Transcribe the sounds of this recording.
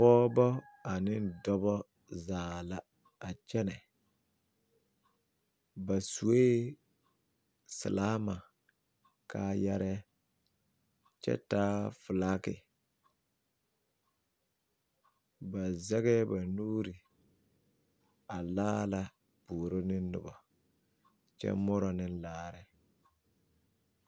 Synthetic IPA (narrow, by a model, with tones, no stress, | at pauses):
pɔː˦bɔ˦ | a˨nɪ˦ndɔ˦bɔ˦ | zaː˨la˦ | a˨t͡ʃɛ˦nɛ˨ | ba˨su˨we˦ | sa˨laː˦ma˨ | ka˦ja˦ɾɛ˦ | t͡ʃɛ̰˦taː˦fʊ˨laː˦kɪ˨ | ba˨zɛ˦ɣɛ˦ba˨nuː˦ɾi˨ | a˨laː˦la˦ | buː˨ɾo˦nɪ˦nː˦ʊ̰˨ba˨ | t͡ʃɛ̰˦mɔ˦ɾɔ˨nɪ˦n˦laː˦ɾɛ˨